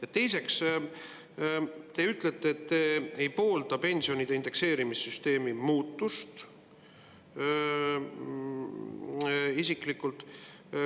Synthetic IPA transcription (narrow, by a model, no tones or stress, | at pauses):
jɑt̪ːe̞jse̞ks | t̪e̞yt̪ˑlet̪ːˑeːt̪ːeejpo̞ːld̪̥ɑpe̞nʲsio̞nid̪̥eind̪̥e̞kse̞ːɾimisːyst̪e̞ːmimuːt̪ːust̪ | isiklikːult̪ːˑ